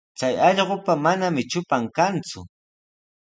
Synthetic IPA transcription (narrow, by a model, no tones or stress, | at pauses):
t͡sajɑʎɢopamanamɪt͡ʃʊpaŋkant͡sʊ̰